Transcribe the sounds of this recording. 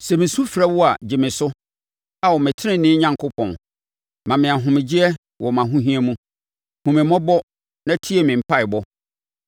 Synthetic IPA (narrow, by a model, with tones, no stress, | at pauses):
sɛ˨mɪ̃˨su˦fɾa˦wɔ˦a˨d͡ʑɪ˨mɪ̃˨sʊ˦ | a˨wɔ˨mɪ̃˨tʰɪ˦nɪ̃˦nɪ̃˦ɲã˦ŋkʰʊ˦pʰɔ̰̃˨n | mã˨mɪ̃˨a˨ɦʊ̃˨mɪ̃˨d͡ʑɪ˦ɛ˦ | wʔɔ˨mã˨ɦũ˦ɦĩ˦ɛ˦mũ˦ | hũ˨mɪ̃˨˦mɔ̃˦bɔ˦ | nã˦tʰi˦e˨mɪ̃˨m̩˨pʰa˦ɪ˨bɔ˦